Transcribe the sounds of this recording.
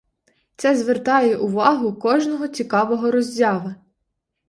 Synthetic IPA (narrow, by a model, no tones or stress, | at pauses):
t̪sɛzʋert̪ɑjɛʔʊʋɑɦʊkɔʒnɔɦɔt͡sʲikɑʋɔɦɔɾɔzʲjɑʋɪ